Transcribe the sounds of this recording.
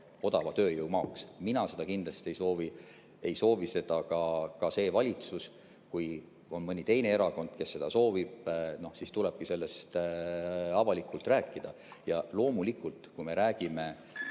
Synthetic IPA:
o̞d̪ɑvɑt̪ø̞ːjɯwmɑːksminɑse̞d̪̥ɑkind̪̥lɑst̪ie̞jso̞ːvi | e̞jso̞ːvise̞d̪̥ɑkɑkɑse̞ːvɑlʲit̪sus | kuj | o̞nmɤnʲit̪e̞jne̞e̞ɾɑko̞nd̪̥ke̞sːe̞d̪ɑso̞ːvib̥̚no̞hsist̪ulɛb̥̚kise̞lːe̞st̪ | ɑvɑlikːˑult̪ræːkːˑid̪̥ɑ | jɑlo̞ːmulikˑult̪ˑkujme̞ɾæːɡ̥ime̞

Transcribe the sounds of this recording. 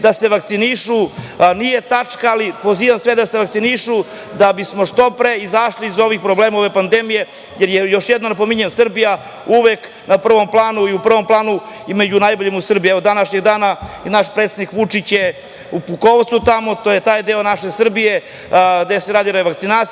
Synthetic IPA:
d̪ase̞ʋakt̪siniʃu | nijet̪at͡ʂkaːlipo̞ziːʋamsʋe̞d̪aseʋak̚t̪siniʃu | d̪abismo̞ʂt̪o̞pɾeizaʃliːzo̞ʋixpɾobleːmaoʋe̞pand̪emije̞ | jeɾjejo̞ʃjed̪nonap̬omiɲemsr̩bija | uʋek | napr̩ʋo̞mplˠaːnuiupr̩ʋo̞mplˠaːnu | imed͡ʑunajboʎemusr̩bijeod̪anaʃɲe̞ɡd̪aːnanaʃpɾet̪sed̪nikʋut͡ʂit͡ɕje | upukoʋt̪sut̪amo̞t̪oːjet̪aːjd̪eo̞naʃesr̩bije̞ | ɡd̪eseɾaːd̪iɾaeʋakt̪sinaːt̪s

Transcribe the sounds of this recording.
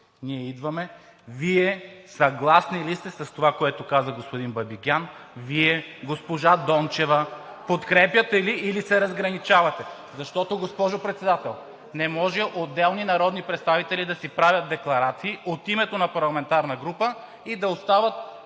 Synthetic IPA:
niɛid̪vɐmɛviɛsɐɡlˠasnilist̪ɛsɐst̪ovakoɛt̪okazəɡospod̪inbɐbikʲanviɛɡospoʒad̪ɔnt͡ʃɛvɐpot̪kɾɛpjət̪ɛliːlisɛɾɐzɡɾɐnit͡ʃavɐt̪ɛ | zɐʃt̪ɔt̪oɡospɔʒopɾɛt̪sɛd̪at̪ɛlˠ | nɛmɔʒɛʔod̪ːɛlˠninɐɾɔd̪nipɾɛt̪st̪avit̪ɛlid̪ɐsipɾavʲjɐt̪̚d̪ɛklˠɐɾat̪siːʔot̪imɛt̪onɐpɐɾlˠɐmɛnt̪aɾnɐɡɾupə | id̪ɐost̪avɐt̪̚

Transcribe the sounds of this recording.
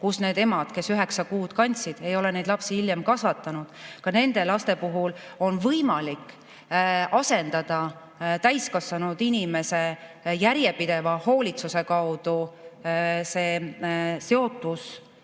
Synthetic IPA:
kusne̞ːd̪e̞mɑd̪̥ke̞syɦe̞ksɑkuːd̪̥kɑnʲt̪sid̪̥e̞jo̞lene̞jd̪lɑpsihiljemkɑsvɑt̪ːˑɑnud̪̥kɑne̞nd̪̥e̞lɑst̪e̞puɦul | o̞nvɤjmɑlik | ɑse̞nd̪̥ɑd̪̥ɑ | t̪æjskɑsvɑnud̪̥inʲime̞se̞jæɾjepid̪̥e̞vɑho̞ːlʲit̪suse̞kɑwd̪u | se̞ːse̞o̞t̪ːˑus

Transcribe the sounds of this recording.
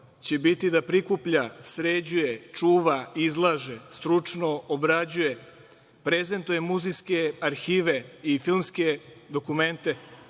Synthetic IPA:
t͡ɕebit̪id̪apɾikupʎasɾed͡ʑujet͡ʂuːʋaizlˠaʒest̪ɾut͡ʂnoobɾad͡ʑuje | pɾeze̞nt̪ujemuziskeaɾxiːʋeifilˠmske̞d̪o̞kume̞nt̪e

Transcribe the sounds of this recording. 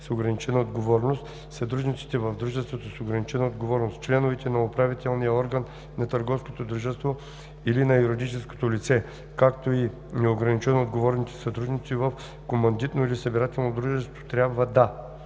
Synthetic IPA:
soɡɾɐnit͡ʃɛnɐod̪ɡovɔɾnost̪ | sɐt̪ɾud̪nit̪si̥t̪ɛvɐvd̪ɾuʒɛst̪vot̪osoɡɾɐnit͡ʃɛnɐod̪ɡovɔɾnost̪̚t͡ʃlɛnovɛt̪ɛnɐopɾavit̪ɛlˠnijəɔɾɡənː | ɐt̪əɾɡɔfskot̪od̪ɾuʒɛst̪vo | ilinɐjuɾid̪it͡ʃɛsko̥t̪olit̪sɛ | kakt̪oi | nɛoɡɾɐnit͡ʃɛnoːd̪ɡovɔɾnit̪ɛ̥sɐt̪ɾud̪nit̪sivəf | komɐnd̪it̪noilisɐbiɾat̪ɛlˠnod̪ɾuʒɛst̪vo̥t̪ɾʲabvəd̪a

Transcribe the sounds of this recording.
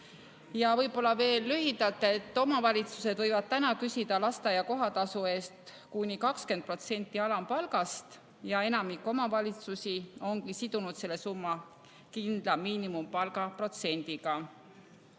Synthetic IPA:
jɑvɤjbo̞lːɑve̞ːlːyɦid̪̥ɑlt̪ːˑe̞t̪ːˑo̞mɑvɑlʲit̪suse̞d̪̥vɤjvɑd̪̥̚t̪ænɑkysid̪̥ɑlɑst̪ɑjɑko̞ɦɑt̪ɑsue̞ːst̪ | kunʲikɑkske̞nd̪̚pro̞t̪se̞nʲt̪ːˑiɑlɑmpɑlɡ̥ɑst̪ | jɑe̞nɑmikːo̞mɑvɑlʲit̪susio̞ŋkisid̪̥unud̪se̞lːe̞sumːɑ | kind̪̥lɑmiːnimumpɑlɡɑpro̞t̪se̞nʲd̪iɡ̥ɑ

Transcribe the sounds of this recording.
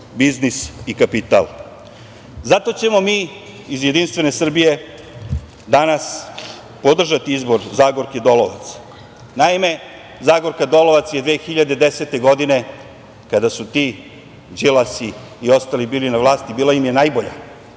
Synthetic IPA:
biznisikapit̪a̰lˠ | zat̪o̞t͡ɕe̞mo̞miː | izje̞d̪inst̪ʋe̞ne̞sr̩bije̞ | d̪anas | po̞d̪r̩ʒat̪iizbo̞ɾzaːɡoɾked̪o̞loʋa̰t̪s | naime̞ | zaːɡoɾkad̪o̞lo̞ʋat̪sjed̪ʋeːxiʎad̪ed̪e̞set̪e̞ɡo̞d̪ine̞ | kad̪asut̪i | d͡ʒilˠasiː | o̞st̪alibiːlinaʋlˠaːst̪ibiːlaimje̞najboʎa̰

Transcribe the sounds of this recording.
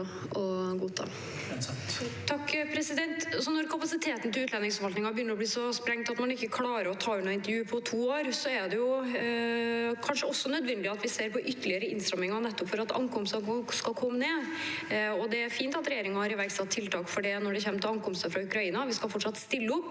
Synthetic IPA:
ɔɡuːt̪ʰɑ̰ː | t̪ʰɑkːpʰɾɛsɪd̪ɛnt̪sɔnɔɾkʰɑpɑsɪt̪ʰeːt̪nt̪ɪlʉːt̪lɑnɪŋsfɔʋɑlt̪nɪŋɑbjʏnːəɾɔb̪iːsɔspɾɛŋt̪ɑt̪mɑnɪkːəkʰlɑːɾəɾɔt̪ʰɑːʉnːɑɪnt̪əɾjʉːpʰɔt̪ʰuːoːɾsɔæd̪ɛjʊ | kʰɑnʂəɔsːɔnœd̪ʋɛnd̪ɪɑt̪ʋɪseːɾpɔʔʏt̪ːəɭɪəɾəɪnst̪ɾɑmːɪŋɑnɛt̪ːɔpfɔɾɑt̪ɑ̰ŋkʰɔmst̪ɑskɑlkʰɔmːəneː | ɔd̪ɛæɾfiːnt̪ɑt̪ɾɛjeːɾɪŋɑhɑɾɪʋæɾksɑt̪ʰːɪlt̪ʰɑːkfɔɖinɔɖɛçɛmːt̪ʰɪlɑŋkɔmst̪əfɾɑʉkɾɑiːnɑʋɪskɑlfɔʈʂɑt̪st̪ɪlːəɔpː

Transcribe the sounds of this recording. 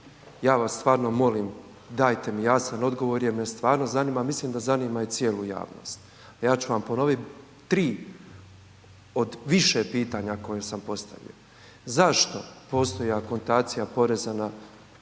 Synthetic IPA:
jaːʋast̪ʋaːɾno̞mo̞lim | d̪aːjt̪e̞mijasano̞d̪ɡo̞ʋo̞ɾjemnest̪ʋaːɾno̞zaniːmamisliːmd̪azaniːmait̪sijeluja̰ːʋno̞̰st̪ | ajaːt͡ɕuʋampo̞no̞ʋit̪ | t̪ɾiː | od̪ʋiʃe̞piːt̪aɲako̞jesampo̞st̪a̰ʋḭjo̞̰ | zaʃt̪o̞po̞ːst̪o̞jako̞nt̪aːt̪sijapo̞ɾezana

